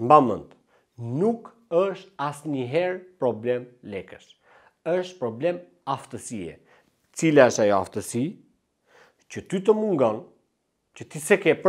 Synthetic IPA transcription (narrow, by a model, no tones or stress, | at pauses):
mbamənt̪ | nuk | əʃt̪asɲəɦɛɾpɾɔblɛmlɛkəʃ | əʃt̪pɾɔblɛm | aft̪əsiɛ̰ | ət͡silaəʃt̪ajɔa̰ft̪əsi | cət̪yt̪əmuŋɡɔn | cət̪isɛkɛp